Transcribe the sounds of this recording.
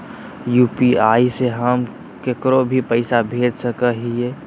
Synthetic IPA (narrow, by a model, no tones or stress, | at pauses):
juːpiaːiseɦəm | kekɾobʱipəɪsabʱeːd͡ʒsəkəɦie